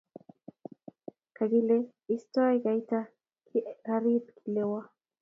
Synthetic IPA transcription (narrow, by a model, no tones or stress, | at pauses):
kaɡilɛ | istɔiɣaita | kʰiɣaɾid̚kʰilɛwa